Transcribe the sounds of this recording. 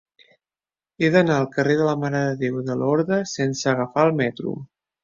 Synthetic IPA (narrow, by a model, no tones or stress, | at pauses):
eðənaəlˠkəreðələmaɾəðəðewðəlɔɾðɾəsensəəɣəfaəlˠmɛt̪ɾṵ